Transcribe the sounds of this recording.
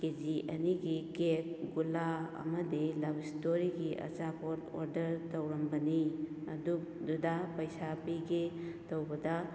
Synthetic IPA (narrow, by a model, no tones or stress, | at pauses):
ked͡ʒiʔɐniɡikek̚ɡulaɐ̰mɐdilabistoɾiɡiʔɐ̰zapoto̰ɾdɐɾtɐwɾɐmbɐniɐduk̚dudapɐjsapiɡetɐwbɐdɐ